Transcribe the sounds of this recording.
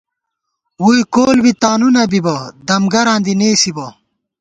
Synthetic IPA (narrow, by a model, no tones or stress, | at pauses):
wujkoːlbit̪aːnunɐbibɐd̪ɐmɡɐɾãːnd̪ineːsibɐ